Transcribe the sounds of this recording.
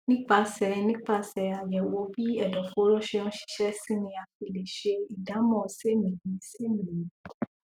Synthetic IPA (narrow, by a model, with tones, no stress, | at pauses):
nĩ˦k͡pa˧sɛ˨nĩ˦k͡pa˧sɛ˨a˨jɛ˨wo˧˦bi˦ɛ˦˨dɔ˨fo˨˦ɾɔ˦ʃe˧ɔ̃˦ʃi̥˧ʃɛ˦si˦nĩ˧a˨fi˧le˨ʃe˧i˨da˨˦mɔ̃˦˨se˦mĩ˨ɲĩ˨˦se˦mĩ˨ɲĩ˨˦